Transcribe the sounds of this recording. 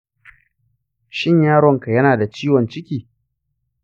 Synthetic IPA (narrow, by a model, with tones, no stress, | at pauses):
ʃɪ˦ɲjaː˦ɽɔ˨ŋka˨jɐ˦naː˨da˨t͡ʃiː˦wɔ˨nt͡ʃɪ˦kʲiː˨